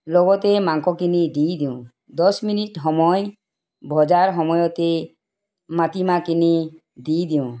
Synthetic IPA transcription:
loɡɔt̪emaŋkɔkinid̪ijd̪iũ | d̪ɔsminiʈɦɔmɔj | bʱɔd͡ʒaɾɦɔmɔjɔt̪e | mat̪imakini | d̪ijd̪iũ

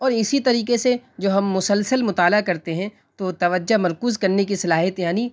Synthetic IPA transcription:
ɔːɾɪsit̪ɐɾiːkesed͡ʒoːɦɐmːʊsəlsəlmʊt̪aːlakɐɾt̪eɦɛ̃ | t̪ot̪ɐʋəd͡ʒːamɐɾkuːzkɐɾnekisɐlaːɦjət̪jaːni

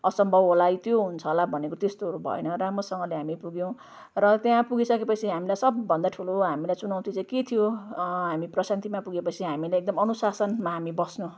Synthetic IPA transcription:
ʌsʌmbʱʌbɦolajt̪joɦunt͡sʰʌlabʱʌnekot̪est̪oɦʌɾubʱʌ̰ḛnʌɾamrʌsʌŋʌleɦamipuɡjẽ | rʌt̪jãpuɡisʌkepʌt͡sʰiɦamilajsʌbːʌnd̪aʈʰuloɦamilajt͡sunaw̃t̪ʰit͡saĩket̪ʰijoɦamiprʌsant̪imapuɡepʌt͡sʰiɦamilajek̚d̪ʌmʌnusasʌnmaɦamibʌsnu

